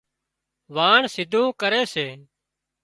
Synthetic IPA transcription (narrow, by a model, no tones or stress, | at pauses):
ʋaːɳsɪd̪ʱũːkəɾeːseː